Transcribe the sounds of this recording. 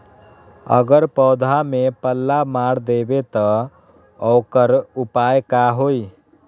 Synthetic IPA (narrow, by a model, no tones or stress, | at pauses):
ə̰ɡəɾpɔːd̪ʱamepəlːamaːɽd̪eːbet̪ɔ | ɔːkəɾʊpaːjkaɦoːi